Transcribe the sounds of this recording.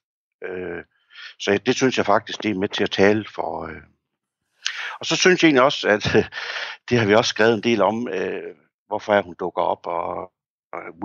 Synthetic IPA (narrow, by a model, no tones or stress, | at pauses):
ø | sɒ̽jd̥e̝synsjɑ̈ɪfɑ̈ɡ̥d̥isɡ̥d̥e̝æɐmet͡sʰe̝æt͡sʰɛːləfɒø | ɒ̽sɒ̽synsjɑe̝̰ːnliɒ̽sæd̥ | d̥e̝hɑ̈ʋiɒ̽ssɡ̥ʁɛ̰ʊð̩ˠe̝nde̝̰ːlɒ̽mø | ʋɒfɒ̽æɐhund̥ɔ̽ɡ̥ɐɒ̽b̥ɒ